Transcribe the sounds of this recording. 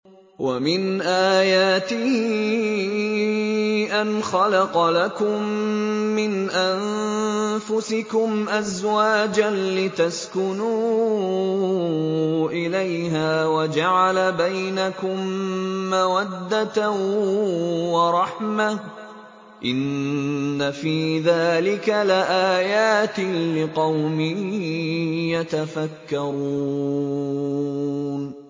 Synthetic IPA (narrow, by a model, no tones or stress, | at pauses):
wa̰mɪnʔaːjaːt̪ɪ | ʔanxɑlɑqɑlakʊmː | ɪnʔan | fʊsɪkʊmʔazwaːd͡ʒanlɪt̪askʊnuː | ʔɪlajhaːwad͡ʒaʕalabajnakʊmːawad̪ːat̪a | wɑɾˤɑħma | ʔɪnː | afiːðaːlɪkalɪʔaːjaːt̪ɪlɪqɑwmɪ | jat̪afakːɑɾˤu | n